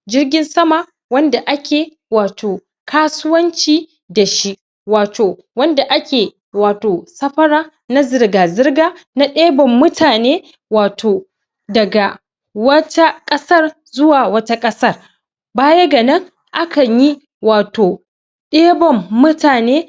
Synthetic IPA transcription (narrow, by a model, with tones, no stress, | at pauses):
d͡ʒɪ˦rɡʲɪ˦nsɐ˦ma˨ | wɐ˦nda˨ʔa˦kʲʰeː˨ | waː˨tʰoː˨ | kʰaː˦sʊ˦wɐ˦nt͡ʃiː˦˨ | da˨ʃi˦ʔ | waː˨tʰoː˨ | wɐ˦nda˨ʔa˦kʲeː˨ | waː˨toː˨sɐ˦ɸɐ˦ɽaː˦ | na˦zɪ˨rɡaː˨zɪ˦rɡaː˦na˦ɗeː˦bɔ˨mːʊ˦tʰaː˨neː˦ | waː˨tʰoː˨ | dɐ˨ɡa˨ | wɐ˦ta˦kʼɐ˦sɐ˦r | zʊ˦waː˨wɐ˦ta˦kʼɐ˦sɐ˦r | baː˦je˦ɡɐ˨nɐ˦ŋ | ʔa˦kʰɐ˨ɲji˦ | waː˨toː˨ | ɗeː˦bɔ˨mːʊ˦taː˨neː˦